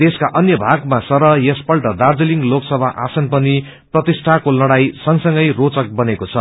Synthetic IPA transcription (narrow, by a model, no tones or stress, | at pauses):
d̪eskaʔʌnjʌbʱaɡmasʌɾʌjespʌlʈʌd̪ard͡ziliŋɡloksʌbʱaʔasʌnpʌni | prʌt̪isʈʰakolʌɽajsʌŋsʌŋɡʌjrot͡sʌk̚bʌnekot͡sʰʌ